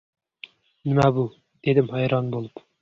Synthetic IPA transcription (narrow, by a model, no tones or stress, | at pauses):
nɪmɛbu | d̪̥ed̪ɪmhɑjɾɑnbolˠup